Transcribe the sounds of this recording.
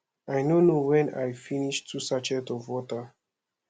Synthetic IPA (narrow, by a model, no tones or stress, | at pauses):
ajnonuwɛ̃na̰jfiniʃtʰusat͡ʃɛtɔvɔtə